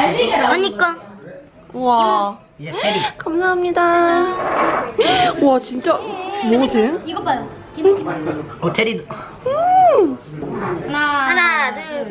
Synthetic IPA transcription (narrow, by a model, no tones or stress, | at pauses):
ʌɲːik͈a | wa | kamsʰaɦamɲida | wat͡ɕint͡ɕ͈amoɡodeiɡʌpa | t̪ʰeɾid | ɯ | ana